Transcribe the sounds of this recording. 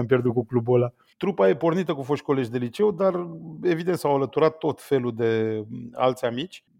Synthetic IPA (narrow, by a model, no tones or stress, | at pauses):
ampʲjerd̪ut̪̚kuklubola | t̪ɾupaje̞po̞rnit̪əkufo̞ʃʲko̞le̞ʒʲd̪e̞lit͡ʃe̞wd̪are̞vid̪ent̪sawalət̪uɾat̪ːo̞t̪fe̞lud̪e̞a̰lt̪sʲamit͡ʃʲ